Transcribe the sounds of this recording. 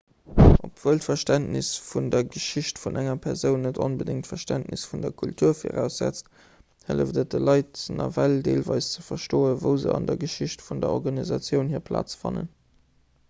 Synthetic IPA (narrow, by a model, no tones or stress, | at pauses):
ʔopʰv̥əːltfɐʃtæntnɪsfundɐɡəʃiɕtfunʔæŋɐpʰɛʁzəʊnːətʰonbədɪŋtfɐʃtæntnḭsfundɐkʰultʰuːɐfḭʁæʊsz̥æ̰t͡st | hələfdət̚dəlɑɪtnɐ̰vældeːlvɑɪst͡səfɐʃtoːəvəʊzə̰ɑ̰ndɐɡəʃiɕtfundɐɔʁɡɑnizɑt͡sjəʊnhiːɐpʰla̰ːt͡sfɑnə̰n